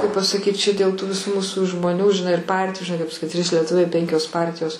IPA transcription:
kɐɪp pɐsɐˈkʲiːt t͡ʃʲɛ dʲeːlˠ tuː ʋʲɪˈsuː ˈmuːsʊ ʒmoːˈnʲuː ʒʲɪˈnɐɪ ɪr ˈpɐrʲtʲɪjʊ ʒʲɪˈnɐɪ kɐɪp sɐˈkʲɪt tʲrʲiːs lʲiɛˈtʊʋʲɛɪ ˈpʲɛŋʲkʲoːs ˈpɐrʲtʲɪjoːs

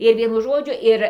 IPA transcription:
ɪr ˈʋʲiɛnʊ ˈʒoːd͡ʒʲʊ ˈɪr

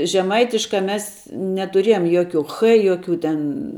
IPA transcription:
ʒʲɛˈmɐɪtʲɪʃkɑː ˈmʲɛs nʲɛtʊˈrʲeːjoːm ˈjoːˌkʲuː ˈxɘ ˈjoːˌkʲuː tʲɛn

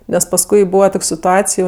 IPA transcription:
nʲɛs pɐsˈkʊɪ ˈbuːʋɐ ˈtoːkʲ sʲɪtʊˈɑːt͡sʲɪj

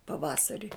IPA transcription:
pɐˈʋɑːsɐrʲɪ

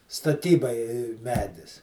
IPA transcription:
stɐˈtʲiːbɐɪ ˈmʲæːdʲɪs

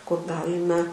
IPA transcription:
kʊr ˈɡɑːlʲɪmʲɛ

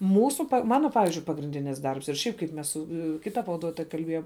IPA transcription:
ˈmuːsʊ ˈmɑːnoː ˈpɑːʋʲɪzʲd͡ʒʲʊɪ pɐɡrʲɪnʲˈdʲɪnʲɪs ˈdɐrps ɪr ˈʃʲɛɪp kɐɪp ˈmʲɛs sʊ ˈkʲɪtɐ pɐʋɐˈduɔtoːjɛ kɐlʲˈbʲeːjoːm

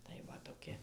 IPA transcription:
tɐɪ ʋɐ toːˈkʲɪ

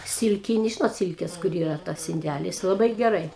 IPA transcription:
ˈsʲɪlʲkʲɪnʲɪ ʒʲɪnoːt ˈsʲɪlʲkʲɛs kʊr ˈiːrɐ ˈtɐs ɪnʲˈdʲælʲɪs lˠɐˈbɐɪ ɡʲɛˈrɐɪ

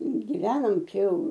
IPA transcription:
ɡʲɪˈʋʲæːnoːm ˈt͡ʃʲɛ ˈjɛʊ

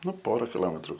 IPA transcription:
ˈnʊ ˈpoːrɐ kʲɪˈlˠoːmʲɛtrʊ

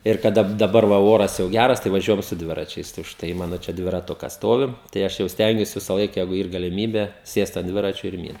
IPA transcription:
ɪr kɐˈdɐ dɐˈbɐr ʋɐ ˈoːrɐs jɛʊ ˈɡʲærɐs tɐɪ ʋɐˈʒʲuɔjɛm sʊ ˈdʲʋʲɪrɐt͡ʃʲɛɪs tɐɪ ʊʃˈtɐɪ ˈmɑːnoː t͡ʃʲɛ dʲʋʲɪrɐˈtʊkɐs ˈstoːʋʲɪ tɐɪ ˈɐʃ jɛʊ ˈsʲtʲɛŋʲɡʲuɔs ʋʲɪsɐˈlˠɐɪk jɛɪɡʊ iːr ɡɐlʲɪmʲiːbʲɛ ˈsʲeːst ɐnt ˈdʲʋʲɪrɐt͡ʃʲoː ɪr ˈmʲiːnt

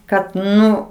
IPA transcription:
ˈkɐt ˈnʊ

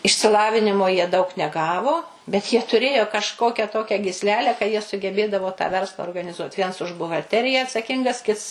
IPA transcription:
ɪʃʲsʲɪˈlˠɑːʋʲɪnʲɪmoː jiɛ dɐʊk nʲɛˈɡɑːʋoː bʲɛt jiɛ tʊˈrʲeːjoː kɐʃˈkoːkʲɛ ˈtoːkʲɛ ɡʲiːsʲˈlʲæːlʲæː kɐ ˈjiɛ sʊɡʲɛˈbʲeːdɐʋoː tɑː ˈʋʲɛrslˠɐ oːrɡɐnʲɪˈzuɔtʲ ˈʋʲiɛns ʊʃ bʊɣɐlʲˈtʲæːrʲɪjæː ɐtsɐˈkʲɪŋɡɐs ˈkʲɪts

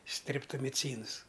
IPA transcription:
sʲtʲrʲɛptoːmʲɪˈt͡sʲiːns

